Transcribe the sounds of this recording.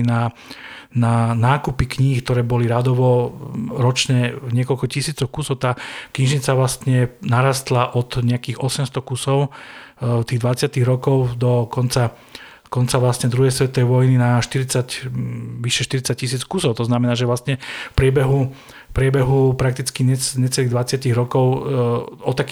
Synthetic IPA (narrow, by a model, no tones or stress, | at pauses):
na | nanaːkupikɲiːkt̪ɔɾɛːbɔliɾad̪ɔʋɔɾɔt͡ʃɲɛɲɪɛkɔlkɔcisiːt͡sɔʊkusɔʊt̪aːkɲiʒɲit͡saʋlast̪ɲɛnaɾaːst̪laʔɔt̪ɲɛakiːxɔsɛmst̪ɔkusɔʊ | t̪iːɣd̪ʋat͡sɪat̪iɣɾɔkɔʊd̪ɔkɔnt͡sa | kɔnt͡saʋlast̪ɲɛd̪ɾuɦɛjsʋɛt̪ɔʋɛjʋɔjninaʃt̪iɾit͡sacʋiʃɛʃt̪iɾit͡sac̚cːis̬iːt͡skusɔʊt̪ɔznamɛnaːʒɛʋlast̪ɲɛfpɾɪɛbɛɦu | fpɾɪɛbɛɦupɾak̚t̪it͡skiɲɛɲɛt͡sɛliɣd̪ʋat͡sɪatiɣɾɔkɔʊ | ɔt̪ːak